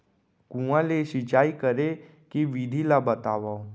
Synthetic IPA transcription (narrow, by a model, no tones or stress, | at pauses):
kũãleʃɪt͡ʃaːikəɾe | kiʋid̪ʱilabət̪aːʋao